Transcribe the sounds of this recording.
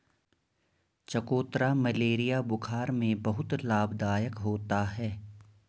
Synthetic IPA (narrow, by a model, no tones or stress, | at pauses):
t͡ʃɐkoːt̪ɾamɐleːɾijabʊkʰaːɾmẽbɐɦʊt̪laːbd̪aːjəkɦoːt̪aɦɛː